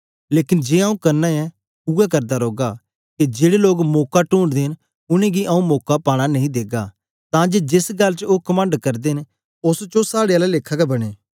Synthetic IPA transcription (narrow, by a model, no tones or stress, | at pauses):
leːkɪnd͡ʒeːaũkɐɾnaɛ̃ | ʊɛkɐɾd̪aɾoːɡa | ked͡ʒeːɽeloːɡmoːkaʈũːɳɖd̪ẽːn | ʊnẽɡiʔɐũmoːkapaːɽ̃anɐ̃ɦĩd̪eːɡa | t̪ãd͡ʒed͡ʒɪsɡɐlt͡ʃoːkɐmə̃ɳɖkɐɾd̪eɦɪn | ʊst͡ʃosaːɽeaːlaleːkʰːaɡɛbɐɽ̃eː